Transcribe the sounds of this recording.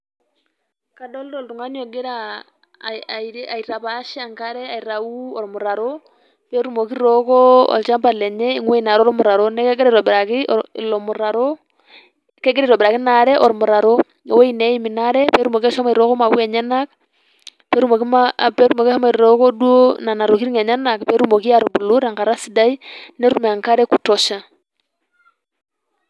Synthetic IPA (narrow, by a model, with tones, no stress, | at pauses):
ka˨do˦ldɔ˨ltu˨ŋa˨˦ɲ˦o˨ɡi˦ɾa˨ | i˨ɾa˨i˨ɾa˨pa˦ʃi˦a˨ŋka˦ɾɛ˦a˨i˨ɾa˨u˦ɔ˨ɾmu˨ɾa˨ɾo˦ | pe˦ɾu˦mo˨ki˦ɾo˦kɔ˦ɔ̰˨lt͡ʃa˦mpa˨lɛ˨ɲɛ˦i˦ŋwe˦i˨na˨ɾɔ˦ɾmu˨ɾa˨ɾo˦nɛ˦kɛ˦ɡe˦ɾe˦˨ɾo˨bɪ˨ɾa˨kḭ˦˨lɔ˨mu˨ɾa˨ɾo˦ | kɛ˦ɡe˦ɾi˨ɾo˨bɪ˨ɾa˨ki˦na˨ɾɛ˦ʔɔ˨ɾmu˨ɾa˨ɾo˦ | o˨we˦i˦ne˨˦i˦mi˨na˦ɾɛ˦pɛ˦ɾu˦mo˨ki˦a˦ʃa˦ma˨ɾo˦ko˦ma˨wwɛ˨ɲɛ˦na˦k̚ | pɛ˦ɾu˦mo˨ki˦mape˦ɾu˦mo˨ki˦a˦ma˨i˨ɾo˦kɔ˦du˦o˦na˨na˨ɾo˨ki˦ɾi˦ŋe˨ɲa˦na˨kpɛ˦ɾu˦mo˨ki˦a˨ɾo˨bu˨lo˦ɾa˨ŋka˨ɾa˦si˨da˦i˦ne˦ɾu˦me˨a˨ŋka˦ɾɛ˦ku˨tɔ˨ʃa˨